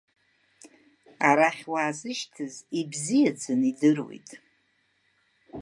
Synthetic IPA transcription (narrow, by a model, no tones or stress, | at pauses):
aɾaχʲwaːzɨʃtʰɨzibzijad͡zɨnidɨrwo̰j̰tʼ